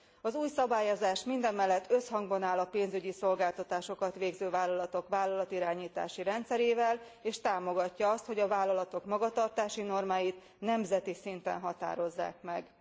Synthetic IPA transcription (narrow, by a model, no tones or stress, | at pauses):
ɒzuːjsɒbaːjo̞zaːʃmind̪ɛmːɛlːɛt̪ʰːø̞shɒŋɡbɒnaːlɒpeːnzyɟiso̞lɡaːlt̪ɒt̪aːʃo̞kɒt̪ʋeːɡzøːvaːlːɒlɒt̪o̞kʋaːlːɒlɒt̪iɾaːɲiːt̪a̰ːʃiɾɛnt̪sɛɾeːvɛleːʃt̪aːmo̞ɡɒcːɒɒst̪ho̞ɟɒvaːlːɒlɒt̪o̞kmɒɡɒt̪ɒrt̪aːʃino̞rmaːjit̪ | nɛmzɛt̪isint̪ɛ̰nɦɒt̪a̰ːɾo̞zːa̰ːkmɛɡ